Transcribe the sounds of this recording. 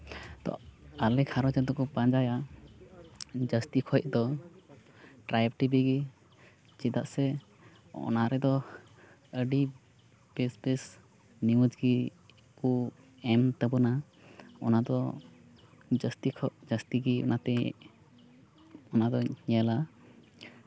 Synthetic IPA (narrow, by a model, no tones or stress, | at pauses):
t̪ɔ̰alɛkʰaɾɔd͡ʒɛd̪ɔkɔpãd͡ʒaja | d͡ʒəst̪ikʰɔjʔ̚d̪ɔ | ʈɾajb̚ʈibiɡi | t͡ʃid̪aʔsɛ | ɔ̰naɾɛd̪ɔ | əɖi | besbɛs | niwəd͡ʒɡi | ku | ɛmt̪əbɔna | ɔ̰nad̪ɔ | d͡ʒəst̪ikʰɔd͡ʒəst̪iɡiɔ̰nʔat̪ɛ | ɔnad̪ɔɲɛla